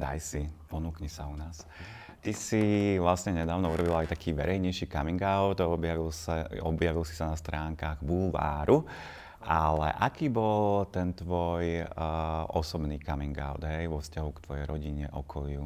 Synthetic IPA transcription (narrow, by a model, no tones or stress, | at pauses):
d̪a̰jsipɔnuːkɲɛsaunaːs | t̪isiʋlasɲɛɲɛd̪aːʋnɔuɾɔbilajt̪akiːʋɛ̰ɾɛjɲɛjʃiːkamiŋɡaʊd̪ɔbjaʋilsaɔbjaʋilsi̥sanast̪ɾaːŋkaːɣbulʋa̰ːɾu | ʔalɛ̰ʔakiːbɔlt̪ɛnt̪ʋɔj | ʔɔsɔbniːkamiŋɡa̰ʊd̪ɦɛjʋɔfscaɦukt̪ʋɔjɛ̰jɾɔɟiɲɛʔɔkʰɔlɪu